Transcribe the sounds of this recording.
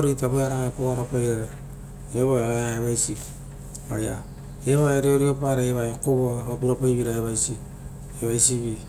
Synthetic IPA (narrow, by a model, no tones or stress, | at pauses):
ɾitaβeaɾaŋapoaɾapajɾeɾe | eβaeaaeβajsi | aja̰ | eβaeaɾioɾiopaɾeeβakoβoamapuɾapajβiɾaeβajsi | eβajsiβi